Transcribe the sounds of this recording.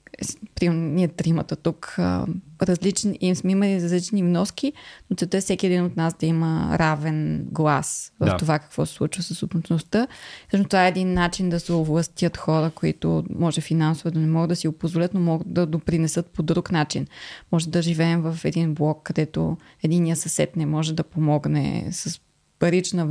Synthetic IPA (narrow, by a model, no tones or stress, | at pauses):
ɛspɾiniɛt̪ɾimət̪ɐt̪ukə̰ɾɐzlit͡ʃniimsmɛimɐliɾɐzlit͡ʃnivnɔskinot̪sɛlˠt̪əɛfsɛkʲiɛd̪inot̪nasd̪ɐimə̰ɾavɛnɡlˠasvɐft̪ovakɐ̥kvɔsɛ̥slˠut͡ʃvəsəsob̪ot͡ʃnost̪əsoʃmnt̪ovaɛɛd̪inːat͡ʃind̪ɐsɛovlˠɐst̪ʲət̪xɔɾəkoḭt̪o̰mɔʒɛfinansovɛd̪ɐnɛmɔɡəd̪ɐsiɡopozvolʲət̪nomɔɡət̪d̪ɐd̪opɾinɛsɤt̪pod̪ɾuknat͡ʃinmɔʒɛd̪ɐʒivɛːmvɐfɛd̪inblˠɔkːɐd̪ɛt̪o̰ | ɛd̪inːijəsɐsɛ̰t̪nɛmɔʒɛd̪ɐpomɔɡnɛ̰səs | pɐɾit͡ʃnə